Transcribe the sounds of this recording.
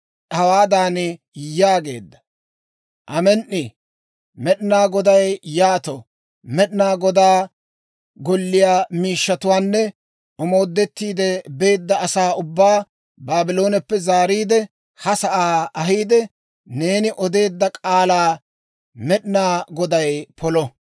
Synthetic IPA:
ʔɐwaːd̪aːnɪ | jaːɡe̞̰ːd̪ːɐ̥ | ʔɐmɛnʔɪ | mɛɗɪnaːɡɔd̪ɐjjaːt̪ɔ | mɛɗnaːɡɔd̪aː | ɡɔlːɪjaːmiːʃːɐt̪ʊwaːnːɛ | ɔmo̞ːd̪ːɛt̪ːiːd̪ɛbe̞ːd̪ːɐɐsaːʊbːaː | baːbɪlo̞ːnɛpːɛzaːɾiːd̪ɛ | hɐsɐʔaːɐɦiːd̪ɛ | ne̞ːnɪʔɔd̪e̞ːd̪ːɐkʼaːlaː | mɛɗɪnaːɡɔd̪ɐjpʰɔlɔ

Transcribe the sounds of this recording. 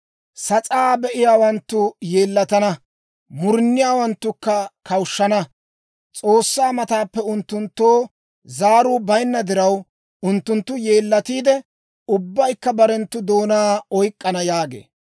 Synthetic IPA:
sɐt͡sʼaːbɛʔɪjaːwɐnt̪ːʊje̞ːlːɐt̪ɐnɐ | mʊɾnːɪjaːwɐnt̪ːʊkːɐkɐwʃːɐnɐ | t͡sʼo̞ːsːaːmɐt̪aːpːɛʊnt̪ːʊnt̪ːoː | zaːɾuːbɐjnːɐd̪ɪɾɐw | ʊnt̪ːʊnt̪ːʊje̞ːlːɐt̪iːd̪ɛ | ʊbːɐjkːɐbɐɾɛnt̪ːʊd̪o̞ːnaːɔjkʼːɐnɐjaːɡḛː

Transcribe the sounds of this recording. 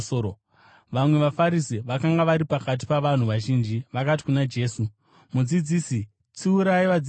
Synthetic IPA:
o | ʋamwe̞ʋafaɾisiʋakaŋɡaʋaɾipakat̬i̥paʋan̤uʋaʒiːnd͡ʒiʋakat̬i̥kunad͡ʒe̞ːsu | mud͡zid͡ziːsi | t͡siuɾaiʋad͡z

